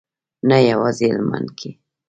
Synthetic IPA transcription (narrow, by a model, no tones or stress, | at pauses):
najawazɪalma̰nkʰi